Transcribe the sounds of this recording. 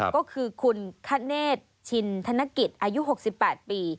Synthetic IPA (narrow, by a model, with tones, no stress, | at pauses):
kɔː˥˩kʰɯː˧kʰu˧nkʰa˦˥˩neː˥˩t̪̚t͡ɕʰi˧nt̪ʰa˧˥na˦˥˩ki˨˩t̪̚ʔaː˧ju˦˥ɦo˨˩k̚si˨˩pːɛː˨˩t̪̚piː˧